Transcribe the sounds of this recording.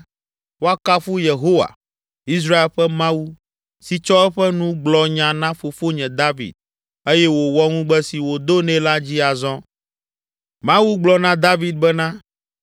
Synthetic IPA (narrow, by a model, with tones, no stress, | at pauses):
wo˦a˦ka˦fu˦je˨ɦo˦wa̰˨ | i˦s̬ɾa˦e˦lɸɛ˦mã˦wu˦ | si˨t͡ʃɔ˦ɛ˦ɸɛ˦nũ˦ɡ͡blɔ˨ɲã˨nã˦fo˨fo˦ɲɛ̃˨d̪a˦vḭ˨d̪̚ | e˦jɛ˦wo˨wɔ˦ŋũ˦ɡ͡bɛ˦si˨wo˨d̪o˦nɛ̃˦la˦d͡ʑi˦a˨zɔ̃˦ | mã˦wu˦ɡ͡blɔ˨nã˦d̪a˦vi˨d̪̚bɛ˦nã˦